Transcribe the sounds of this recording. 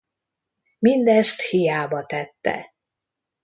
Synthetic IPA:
mind̪ɛst̪hijaːbɒt̪ɛt̪ːɛ̰

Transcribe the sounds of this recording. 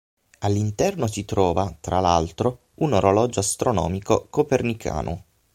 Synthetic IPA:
alːint̪ɛrnosit̪ɾɔːvat̪ɾalalt̪ɾo | unoɾolɔːd͡ʒoast̪ɾonɔ̰ːmikokopernikʰa̰ːnʔo̰

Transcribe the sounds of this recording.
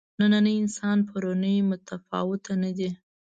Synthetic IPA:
nananəjɪnsɑnpʰaɾonəjmʊt̪afɑ̰wɪt̪anad̪i

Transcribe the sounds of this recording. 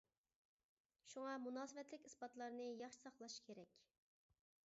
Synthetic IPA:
ʃuŋɑmunɑːsɨvɛt̪lɪkʲisbɑt̪lˠɑɾnɨjɑχʃi̥sɑχlˠɑʃkʲʰeɾɛkʲ

